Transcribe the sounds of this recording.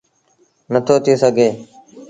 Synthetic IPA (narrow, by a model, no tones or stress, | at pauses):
nət̪ʰoːt̪ʰiːsəɡʱeː